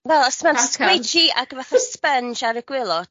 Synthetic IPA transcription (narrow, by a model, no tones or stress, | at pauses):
vɛlˠəsmanskwed͡ʒia̰ɡvaθaspənd͡ʒaɾəɡ̥wɪlˠɔd̥